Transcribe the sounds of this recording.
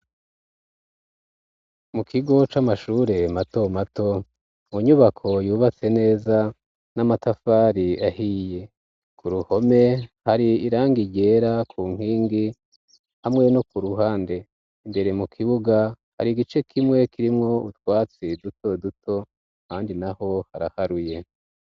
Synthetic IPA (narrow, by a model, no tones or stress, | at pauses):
mukʰiɡo̞t͡ʃamaʃuːɾe̞mato̞mato̞ | muɲuβakʰo̞juːβat͡se̞ne̞ːza | namatafaːɾiʔahije̞ | kʰuɾuho̞me̞haɾiiɾaːŋɡiɟe̞ːɾakʰuːŋ̥hiːŋɡi | hamŋe̞nokuɾuɦaːnde̞ | imbe̞ɾe̞mukʰiβuɡa | ha̰ɾiɡit͡ʃe̞kʰimŋwe̞kʰiɾimŋo̞utwaːt͡sidutʰo̞dutʰo̞ | kaːndinaho̞haɾa̰haɾuje̞